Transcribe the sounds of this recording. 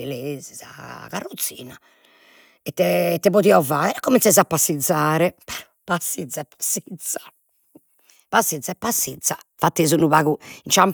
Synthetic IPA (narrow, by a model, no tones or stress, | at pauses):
ileːziza̰ɣarot̪sːḭːna | ɛt̪ːɛt̪ːɛβot̪iɔvaːɛɾɛkːomint̪sezapːasːid̪zaːɾɛpɛɾ | pasːid̪zːaɛpːḁsːid̪sḁ | pasːid̪zaɛpːasːid̪za | fat̪ːeːzunuβaɣuint͡ʃam